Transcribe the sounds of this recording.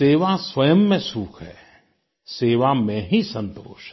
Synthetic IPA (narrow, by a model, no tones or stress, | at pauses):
eːʋasʋɐjəmːẽsuːkʰɦɛː | seːʋamẽɦisə̃nt̪oːʃ